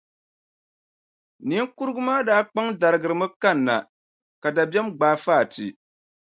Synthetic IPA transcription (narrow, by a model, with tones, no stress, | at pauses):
ni˦ŋku˦ɾɨ˦ɡʊ˦maː˦daː˦k͡pa˦ŋda˨ɾɨ˨ɡɨ˨ɾɨ˨˦mɨ˦ka˦˨nːa̰˨ | ka˨da˨bɛ˦mɡ͡baː˦faː˦˨tḭ˨